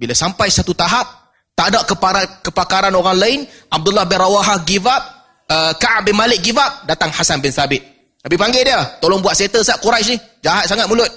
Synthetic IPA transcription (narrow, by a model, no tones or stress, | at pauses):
bilasampajsat̪ut̪aɦap̚ | t̪adaʔkəpaɾakəpakaɾanoɾaŋlaɪnʔab̚dulːahbɛrɾawaɦahɡivap̚ | əkaʔaʔ̚bɪnmalɪk̚ɡivap̚dat̪aŋhasanbɪnsabɪt̪̚ | nabipaŋɡɛdiət̪olɔŋbuwat̪̚set̪əsaʔkuɾas̬nih | d͡ʒaɦat̪̚saŋat̪̚mulʊt̪̚